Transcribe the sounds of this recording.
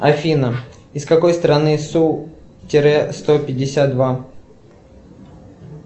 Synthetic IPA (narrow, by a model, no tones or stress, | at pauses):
ɐfʲinə | ɪskɐko̞jst̪ɾɐnɨsu | tʲɪɾɛst̪opʲɪdʲɪsʲat̪̚d̪va